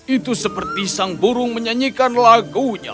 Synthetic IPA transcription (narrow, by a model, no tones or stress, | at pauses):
it̪usəpərt̪isaŋbuɾʊŋməɲaɲikanlaɡuɲa̰